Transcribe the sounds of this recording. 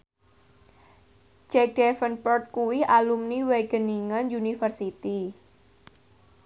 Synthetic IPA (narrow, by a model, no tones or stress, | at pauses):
d͡ʒɛk̚dɛfənpɔrt̪̚kuwiʔalumniweɡ̥əniŋənjunifərsit̪i